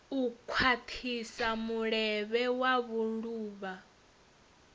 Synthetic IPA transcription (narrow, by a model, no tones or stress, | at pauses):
ukʰwatʰisamuɺɛβɛwaβuluːβa